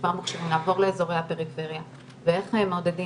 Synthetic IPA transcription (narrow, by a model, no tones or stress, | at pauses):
vaʁmaχʃavimlaːvo̞ʁleezo̞ʁejhape̞ʁife̞ʁja | veeχemod̪edi